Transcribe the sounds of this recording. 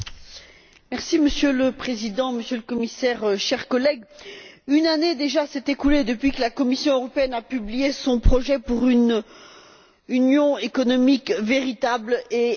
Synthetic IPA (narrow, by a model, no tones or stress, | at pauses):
mɛʁsiməsjøləpχezid̪ɑ̃məsjøləkɔmisɛʁøʃɛʁkɔlɛɡ | ynaned̪eʒasɛt̪ekuled̪əpɥikəlakɔmisjɔ̃øʁɔpeɛnapyblijesɔ̃pχɔʒɛpuʁyn | ynjɔ̃ekɔnɔmikveʁit̪able